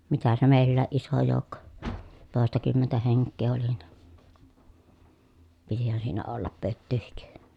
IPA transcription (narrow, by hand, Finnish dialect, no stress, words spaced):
mitæ se meˑilːæːʔ ʔiso joˑu̞kːo toˑestɑkymːentæ heŋkːeː oli ni̥ pitihæn siːnæ olːɑp pøtːyːhik